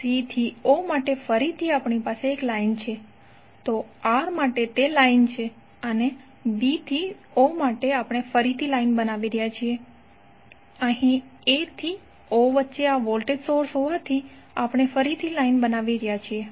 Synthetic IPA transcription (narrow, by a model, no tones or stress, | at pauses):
sit̪ʰiomaʈefəɾit̪ʰiapɳipaseːklaint͡ʃʰe | t̪oaɾmaʈet̪elaint͡ʃʰe | əne | bit̪ʰi | omaʈeapɽ̃efəɾit̪ʰilainbənaʋiɾjat͡ʃʰie | əɦĩet̪ʰi | oʋətːʃeaʋɔlʈeɖsoɾsɦoʋat̪ʰi | apɳ̃efəɾit̪ʰilainbənaʋiɾjat͡ʃʰie